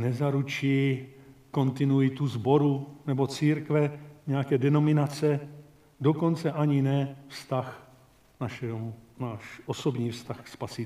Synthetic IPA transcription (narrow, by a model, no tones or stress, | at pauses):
nɛzaɾut͡ʃi | ko̞nt̪ɪnuɪt̪uzbo̞ɾunɛbo̞t͡siːɾkvɛɲɛjakɛːdɛno̞mɪnat͡sɛ | doko̞nt͡sɛʔaɲɪnɛfst̪ax | naʃɛmnaːʃʔosobɲiːfst̪axspasɪ